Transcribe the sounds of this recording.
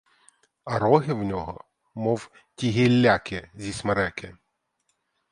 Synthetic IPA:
ɐɾɔɦɪwnʲɔɦɔ̰ | mɔw | tʲiɦilʲːakɪzʲismɐɾɛkɪ

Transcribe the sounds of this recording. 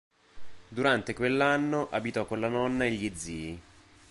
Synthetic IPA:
d̪uɾant̪ekwelːanːoʔabit̪ɔkːonlanɔnːaeʎːed̪zːiːi

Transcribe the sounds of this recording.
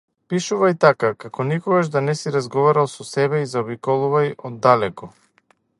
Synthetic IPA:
piʃuvajt̪akakakɔnikɔɡaʒd̪anɛsiɾazɡɔvaɾalˠsɔsɛβɛizaɔbikɔlˠuvajɔd̪ːalɛkɔ

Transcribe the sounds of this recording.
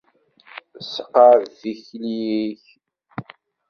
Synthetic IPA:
səqːəɾθiçliiç

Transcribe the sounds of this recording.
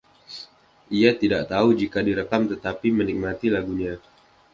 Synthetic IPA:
ʔiat̪idaʔt̪aud͡ʒikadiɾəkamt̪ət̪apimənik̚mat̪ilaɡuɲa

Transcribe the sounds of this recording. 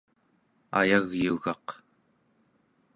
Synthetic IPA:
a̰jaɣjuɣɑq

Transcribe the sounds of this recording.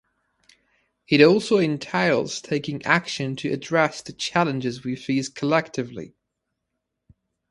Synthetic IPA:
hiɾɔˑlˠsoʊɪ̃ntʰeɪlˠz̥tʰeɪkɪ̃ŋakʃə̃ntʰəədɹɛsðət͡ʃʰalə̃nd͡ʒɪzwifiːz̥kʰəlɛk̚tʰɪvlḭ

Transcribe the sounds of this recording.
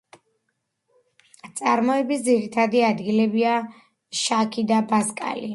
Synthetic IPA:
t̪sʼaɾmɔɛbisd̪ziɾit̪ʰad̪iad̪ɡilɛbia | ʃakʰid̪abaskʼa̰li

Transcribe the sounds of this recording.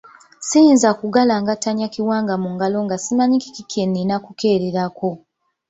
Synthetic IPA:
sijinzakuɡalaŋɡataɲakiwaːŋɡamuŋɡalo̞ŋɡasimaɲiki̥kikʰenːinakuke̞ːɾeɾako̞

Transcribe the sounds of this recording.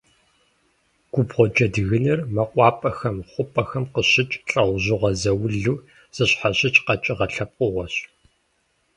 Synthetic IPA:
ɡ̥ʷʊbʁʷɔd͡ʒɐdɨɣɨnɐrmɐqʷʼɑːpʼɐxɐmχʷʊpʼɐxɐmqəɕɪt͡ʃʼɬʼɐʁʷʑɪʁɐzɐwʊɮuː | z̥ɨɕħaɕʼɪt͡ʃʼqɐt͡ʃʼɪʁɐɬɐp̚ʼqʼʊʁɔɕ

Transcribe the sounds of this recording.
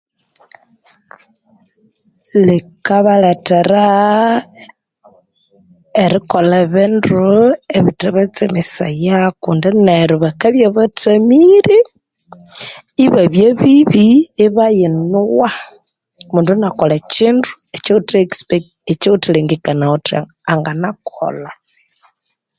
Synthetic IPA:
lekaβaleteɾa | eɾikolaβindueβiteβat͡semisajakuːndineɾiβakaβjaβatʰamiɾi | iβaβjeβiβiːβajinuwa | muːndunakolat͡ʃindu | et͡ʃeutekspek | et͡ʃeutileŋɡikanaotia̰ | aŋɡanakʰo̰la

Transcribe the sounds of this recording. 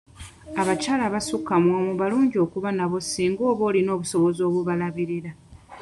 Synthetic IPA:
aβacaːlaβasukːamwoːmuβaluːɲɟio̞kuβanaβo̞siːŋɡo̞ːβo̞ːlino̞ːβuso̞βo̞zo̞ːβuβalaβiɾiɾa

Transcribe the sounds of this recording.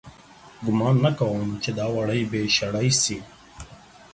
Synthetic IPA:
ɡʊmɑːnːakawəmt͡ʃed̪ɑːwaɽəjbeʃaɽajsi

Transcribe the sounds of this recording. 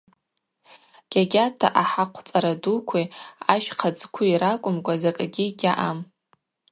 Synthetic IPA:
ɡ̥ʲaɡʲatʰaʔaħaqʷʰt͡sʼaɾadukʷʰiaʃqʰad͡zkʷʰuiɾakʷʼʊmkʷʼazakʼaɡʲiɡʲaʔam

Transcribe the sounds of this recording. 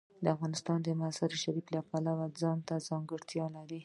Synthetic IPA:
d̪əafɣɑnɪst̪ɑnd̪əmasaɾʃaɾiflapalawad͡zɑnt̪azɑŋɡəɽt̪jɑlaɾi

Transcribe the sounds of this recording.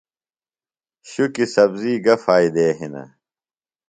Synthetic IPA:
ɕukisɐbziːɡɐfaːid̪eːɦinɐ̰

